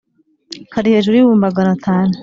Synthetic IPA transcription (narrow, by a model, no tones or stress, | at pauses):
kaɾiheːʒuɾujuwuːmbaɡanatʰaːnu